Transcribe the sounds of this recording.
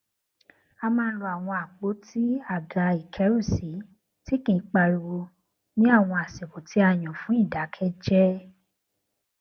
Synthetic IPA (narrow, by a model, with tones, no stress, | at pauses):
a˧mãː˦˧˦lɔ˧a˨w̃ɔ̃˧a˨k͡po˨˦ti˦a˦˨ɡa˨˧˦i˨kʰɛ˨˦ɾu˦˨si˨˦ | ti˦kĩ˧˨˧k͡pa˧ɾi˧wo˧ | nĩ˦a˦˨w̃ɔ̃˧a˨se˨ko˨ti˨˦a˦˨j̃ɔ̃˨fũ˨˦i˦˨da˨˦kʰɛ˦d͡ʒɛ˦